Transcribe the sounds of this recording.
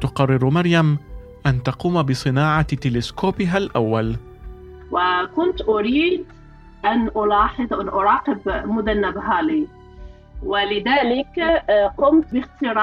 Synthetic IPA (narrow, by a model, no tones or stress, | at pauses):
t̪ʊqɑrˤːɪɾmɑɾjam | ʔant̪ɑquːmabɪsˤɨnaːʕɑt̪ɪlɪskoːpɪɦalʔa̰wːal | wɪkʊnt̪ʔʊɾiːd̪ | ʔanʔʊlɑːħɨd̪ˤʔanʔʊɾˤɑːqɪbmʊd̪anːabɦaːli | wɪlɪðaːlɪkqʊmt̪bɪxt̪ɪɾɑː